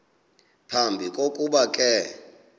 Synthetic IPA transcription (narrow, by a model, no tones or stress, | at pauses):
pʰambʱikʼokʼuɓakʼɛ